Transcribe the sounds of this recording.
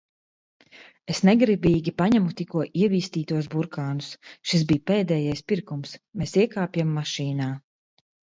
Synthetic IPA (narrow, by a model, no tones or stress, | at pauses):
esnɛɡɾibiːɡʲipaɲamut̪ikuɔʔiɛviːst̪iːt̪uɔsbuɾkaːnusʃis̬biːjpeːd̪ɛːjajspiɾkumsmeːsiɛkaːpjamːaʃiːnaː